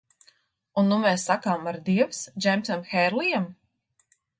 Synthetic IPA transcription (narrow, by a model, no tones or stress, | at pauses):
unːumɛːsːakaːmaɾd̪iɛwsd͡ʒɛmsamxɛɾlijam